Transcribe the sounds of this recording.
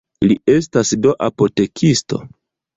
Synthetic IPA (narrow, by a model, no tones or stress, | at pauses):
lie̞s̬tasdo̞ʔapo̞te̞kʰisto̞̰